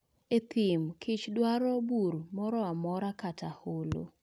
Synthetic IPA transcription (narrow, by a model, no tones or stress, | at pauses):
et̪ɪmkʰɪt͡ʃdwaɾɔbuɾmɔɾɔamɔɾakataholo̰